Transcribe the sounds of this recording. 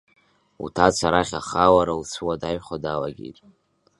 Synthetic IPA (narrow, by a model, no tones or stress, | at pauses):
ṵtʰat͡sʷʰaɾaχʲa̰χawaɾaut͡sʰɨwadaɥχʷadalaɡʲḭtʼ